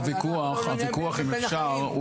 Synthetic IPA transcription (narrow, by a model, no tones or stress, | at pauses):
vikuaχavikuaχimɛfʃaʁ